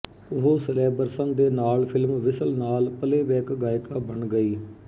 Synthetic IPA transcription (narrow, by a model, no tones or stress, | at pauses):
ʊɦoːsəleːbəɾsənd̪eːnaːlpʰɪlmʋɪsəlnaːlpəleːʋɛːkɡaːɪkaːbəɳɡəiː